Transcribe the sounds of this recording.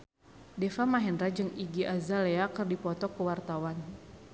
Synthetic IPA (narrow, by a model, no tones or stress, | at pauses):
dɛfamaɦɛndɾad͡ʒɨŋiɡiʔazaleakərdipɔt̪ɔkəwart̪awan